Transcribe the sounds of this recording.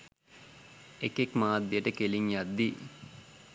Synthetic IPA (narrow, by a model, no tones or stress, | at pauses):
ekekmaːd̪ːjəʈəkeliŋjad̪ːi